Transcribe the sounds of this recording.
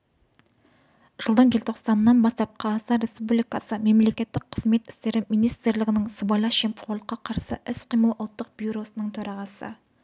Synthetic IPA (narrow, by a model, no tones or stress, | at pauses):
ʒ̥əlˠd̪əɴʒelʲt̪ʰo̞qsɑnːɑnbɑst̪ɑp̚qʰɑsɑɾe̞spublijkɑsəme̞mle̞kʲe̞t̪ːɪk̚qʰəzme̞t̪ɪ̥st̪e̞ɾɪmijnijst̪ɾlɪɡʲɪnɪŋsəbɑjlˠɑʃempχolˠqːɑqʰɑɾsə̰ʔɪsqʰijməlˠʔʊlˠt̪ːəq̚b̥juɾo̞sənəɴt̪ʰɵɾɑʁɑsə̰